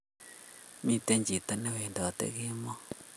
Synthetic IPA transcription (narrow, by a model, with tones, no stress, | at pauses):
mi˦te˦ɲd͡ʒi˨ta˦ne˦we˨nda˨wa˨tḛɣe˦mɔ˦